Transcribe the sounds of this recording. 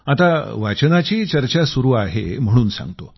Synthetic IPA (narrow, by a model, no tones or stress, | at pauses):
at̪aʋat͡ɕnat͡ɕiːt͡ɕəɾt͡ɕasuɾuːaɦḛm̤əɽ̃uːnsã̰ŋɡt̪o